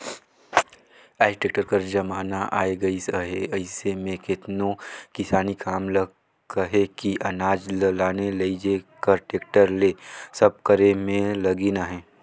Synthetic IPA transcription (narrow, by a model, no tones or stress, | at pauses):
ɛːsʈeːk̚ʈəɾkɐɾd͡ʒɐmaːnaʔaːeɡɐisəɦḛɐɪsemẽkɪt̪nokɪsaːnikʰaːmlɐɡ | əɦekiʔɐnaːd͡ʒllaːnelɐid͡ʒekɐɾʈeːk̚ʈəɾleːsɐb̚kɐɾemẽlɐɡinaɦɛ̃ː